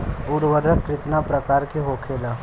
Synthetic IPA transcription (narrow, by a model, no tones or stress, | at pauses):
puːɾʋəɾəkɾɪt̪napɾɐkaːɾkeɦoːkʰeːlaː